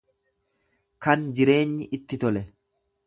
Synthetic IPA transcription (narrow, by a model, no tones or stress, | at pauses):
kɐnd͡ʒɪɾe̞ːɲːɪʔɪt̪ːɪt̪ɔlɛ